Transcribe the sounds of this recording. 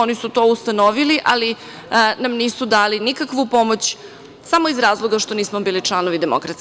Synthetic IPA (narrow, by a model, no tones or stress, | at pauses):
onisut̪oːust̪anoʋiliʔali | namniːsud̪aːlinikakʋupo̞mo̞t͡ɕ | samo̞izɾaːzlˠo̞ɡaʃt̪o̞niːsmobiːliʈ͡ʂlˠanoʋid̪emo̰kɾat̪